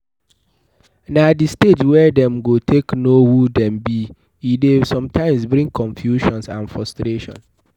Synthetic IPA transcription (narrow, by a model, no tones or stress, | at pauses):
nadisted͡ʒwɛdɛ̃mɡotʰeknohudɛ̃mbi | idesɔ̃mtʰãɪ̃msbɾĩŋkʰɔ̃nfjuʃɔ̃nsã̰nfɹɔstɾeʃɔ̰̃n